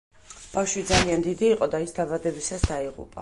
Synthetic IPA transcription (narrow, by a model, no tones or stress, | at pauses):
b̥afʃwid̪zaliand̪id̪iːqʼɔd̪aisd̪abad̪ɛbisasd̪aiʁṵpʼa